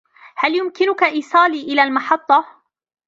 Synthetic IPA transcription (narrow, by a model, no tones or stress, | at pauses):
haljʊmkɪnʊkaʔiːsˤɑːliːʔɪlaːlmɑħɑt̪ˤːɑ